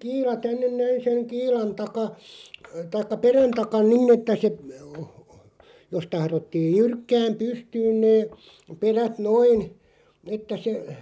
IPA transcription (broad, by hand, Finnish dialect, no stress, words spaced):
kiːlɑ tænːen næin seŋ kiːlɑn tɑkɑ tɑikːɑ peræn tɑkɑn ninˑ etːæ se jos tɑhrotːiːj jyrkːæːm pystyːn neː peræt noin etːæ se